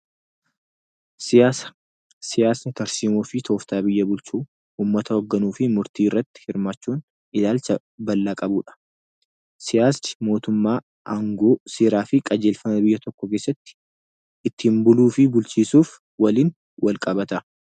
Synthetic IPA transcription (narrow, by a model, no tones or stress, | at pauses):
sas | sɪjaːsnɐt̪ɐɾsiːmoːfɪt̪ʰo̞ːft̪aːbɪjːɐbʊlt͡ʃuː | uːmːɐt̪ɐɔɡːɐnuːfɪmʊɾt̪iːɪrːɐt̪ːɪ̥hɪɾmaːt͡ʃːuːn | ɪlaːlt͡ʃɐ | bɐlːaːkʼɐbuːᶑɐ̥ | sɪjaːst͡ʃɪ̥mo̞ːt̪ʊmːaː | ʔɐŋɡoːseːɾaːfɪkʼɐd͡ʒeːlfɐmɐbɪjːɐt̪ɔkːɔkeːsːɐt̪ːɪ̥ | ɪt̪ːɪːmbʊluːfɪbʊlt͡ʃiːsuːf | wɐliːn | wɐlkʼɐbɐt̪ɐ